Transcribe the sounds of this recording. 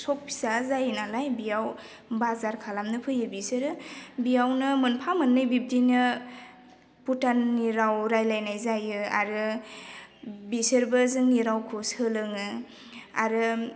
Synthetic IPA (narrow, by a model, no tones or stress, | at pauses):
sɔp̚ʰːi̥sazajnalajbijaw | bazaɾkʰalamnɯpʰɯjɯbisɯɾɯbijawnɯmɯnpʰamɯnːɯjbib̚dinɯ | putanːiɾawɾajlajnajzajɯa̰ɾɯ | bisɯɾbɯzɯŋniɾawkʰusɯlɯŋɯ | a̰ɾɯ